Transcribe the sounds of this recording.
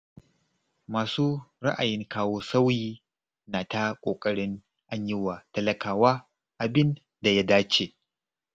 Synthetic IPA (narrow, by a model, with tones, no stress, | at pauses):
maː˨suː˦ɾa̰˦ʔa˨jɪ˦ŋkaː˦woː˦sa˦wjiː˦ | naː˨ta˦kʷʼoː˨kʼɐ˦ɽɪ˦n | ʔa˦ɲjɪ˦wa˨tɐ˦lɐ˦kʰaː˨waː˦ | ʔa˨bɪ˦n | da˨ja˦daː˦t͡ʃeː˨